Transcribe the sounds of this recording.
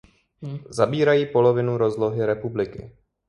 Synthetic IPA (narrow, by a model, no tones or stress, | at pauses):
zabiːɾajiːpo̞lo̞vɪnuɾo̞zlo̞ɦɪɾɛpublɪkɪ̰